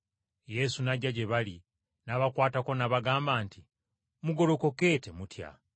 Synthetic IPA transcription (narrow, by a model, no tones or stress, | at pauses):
je̞sunaɟaɟe̞βali | naβakwaːtako̞naβaɡaːmbaːnti | muɡo̞ɾoko̞ke̞ːte̞mutja̰